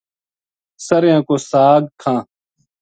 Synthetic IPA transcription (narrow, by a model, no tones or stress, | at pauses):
sɐɾjãːkoːsaːɡ̚kʰãː